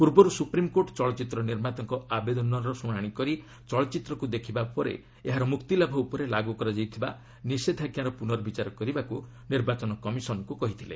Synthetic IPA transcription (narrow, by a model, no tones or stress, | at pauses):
puɾbɔɾusupɾimkoʈt͡ʃɔɭɔt͡ʃit̪ɾɔniɾmat̪ɔŋkɔʔabed̪ɔnɔɾɔsũaɽ̃ikɔɾi | t͡ʃɔɭɔt͡ʃit̪ɾɔkud̪ekʰibapɔɾḛ | eɦaɾɔmukt̪ilabʱɔupɔɾelaɡukɔɾɔd͡ʒajt̪ʰiba̰ | nised̪ʱaɡjaɾɔpunɔɾɔbit͡ʃaɾɔkɔɾibaku | niɾbat͡ʃɔnɔkɔmisɔnɔŋkukɔɦit̪ʰilḛ